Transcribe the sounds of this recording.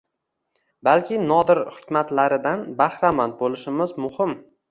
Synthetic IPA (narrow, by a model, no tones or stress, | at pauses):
balkʲɪnɒd̪ɪɾhʊ̥kʲmat̪laɾɪd̪anbahɾamant̪̚bolɪʃɪmɪzmʊhɪm